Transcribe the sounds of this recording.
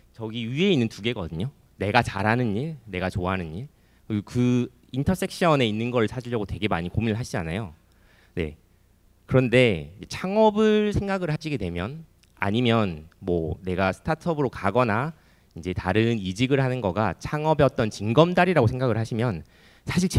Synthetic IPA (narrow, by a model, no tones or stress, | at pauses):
t͡ɕʌɡiie̞inːɯntuɡe̞ɡʌ̰dɯɲo | ne̞ɡat͡ɕaɾɦanɯniɭne̞ɡat͡ɕoaɦanɯɲiɭ | ɯkɯ | intʰʌs͈e̞k̚ɕ͈ʌne̞inːɯnɡʌɾɯɭsʰad͡ʑiɭʎːjʌɡotwe̞ɡe̞maɲikominɯɭɦaɕʰid͡ʑa̰najo | ne̞̰ | kɯɾʌnde̞et͡ɕʰaŋʌbɯɭsʰe̞ŋɡaɡɯɭhaɕʰiɡe̞dwe̞mjʌn | a̰ɲimjʌnmwʌ̰ne̞ɡasʰɯ̥tʰatʰʌbɯɾokaɡʌna | ind͡ʑe̞taɾɯnid͡ʑiɡɯɭɦanɯnɡʌɡat͡ɕʰaŋʌbeʌt͈ʌnt͡ɕiŋɡʌmdaɾiɾaɡosʰe̞ŋɡaɡɯɭɦaɕʰimjʌn | sʰaɕʰiɭt͡ɕ